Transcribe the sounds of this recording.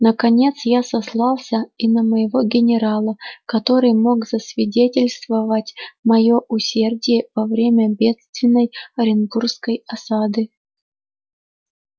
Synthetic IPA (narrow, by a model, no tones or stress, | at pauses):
nəkɐnʲe̞t̪sjasɐslˠɑlˠsʲəinəməjɪvoɡʲɪnʲɪɾalˠəkɐt̪o̞ɾɨjmo̞ɡz̥əsvʲɪdʲetʲɪlʲst̪vəvətʲmɐjoʔʊsʲerdʲɪjəvɐvɾʲemʲəbʲe̞t̪st̪vʲɪnːəjɐɾʲɪnɡurskəjɐsad̪ɨ